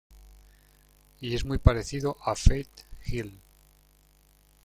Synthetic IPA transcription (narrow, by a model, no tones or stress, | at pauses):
ie̞zmijpaɾe̞θiðoʔafejt̪xil